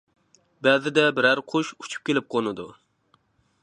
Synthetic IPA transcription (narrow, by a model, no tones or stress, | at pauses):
bɛzɪd̪ɛbɪɾæɾqʰoʃu̥t͡ʃʰu̥p̚kʲelɪp̚qʰonɨd̪u